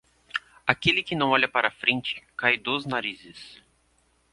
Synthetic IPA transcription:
akelɪkɪnɐ̃w̃ɔʎɐpaɾɐfɾẽnt͡ʃɪ̥kajd̪oznaɾizɪs

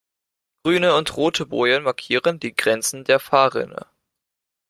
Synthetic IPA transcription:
ɡ̥ʁyːnəʊntʁoːtʰəbo̰ːʏənmaɐkʰiːʁəndiːɡʁɛnt͡sn̩deːɐfaːʁɪ̰nə̰

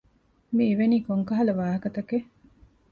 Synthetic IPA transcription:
miːʋeniːkoŋkɐɦɐlɐʋaːɦɐkɐt̪ɐke

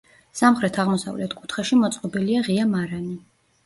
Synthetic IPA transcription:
samχɾɛt̪ʰaʁmɔsa̰vlɛt̪ʰkʼu̥t̪ʰχɛʃimɔt̪sʼqʼɔbiliaʁiamaɾani

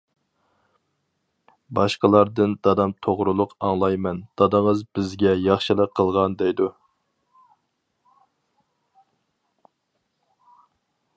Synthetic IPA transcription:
bɑʃqəlˠɑɾd̪ɨnd̪̥ɑd̪ɑmt̪ʰoʁɾulˠʊqɑŋlˠɑjmɛnd̪̥ɑd̪ɨŋəzbɪzɡʲɛjɑχʃɨlˠəqʰːəlˠʁɑnd̪ɛjd̪u

